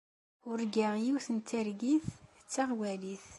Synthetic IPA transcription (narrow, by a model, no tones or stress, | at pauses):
ʊɾɡaʁjiwθənt̪ʰːæɾɡiθ | t͡sːaʁwæliθ